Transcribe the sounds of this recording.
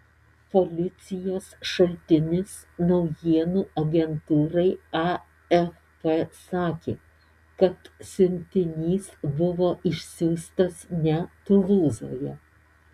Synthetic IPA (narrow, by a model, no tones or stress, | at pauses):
polʲɪt̪sʲɪjoːsʃɐlʲt̪ʲɪnʲɪs | nɒʊjiɛnuːʔɐɡʲɛnt̪uːɾɐɪɑ | ɛf | pesɑːkʲeː | kɐt̪sʲʊnʲt̪ʲɪnʲiːsbʊʋoːʔɪʃʲsʲuːst̪ɐsnʲɛt̪ʊʋuːzo̰ːjɛ